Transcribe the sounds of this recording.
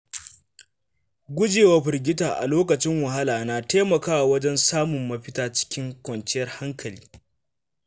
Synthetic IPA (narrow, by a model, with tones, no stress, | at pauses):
ɡʷʊ˦d͡ʒeː˨wa˦ɸɪ˨rɡʲɪ˦taː˨ʔa̰˨loː˦kɐ˨t͡ʃɪ˦ŋwɐ˨ɦa˦laː˨naː˨teː˦mɐ˨kaː˦wa˨wɐ˦d͡ʒɛ˦nsaː˦mʊ˨mːɐ˦ɸɪ˦taː˦t͡ʃɪ̥˦kʲɪ˦ŋkʷɔ˨nt͡ʃɪ˦jɐ˦rha˦ŋkʰɐ˨liː˦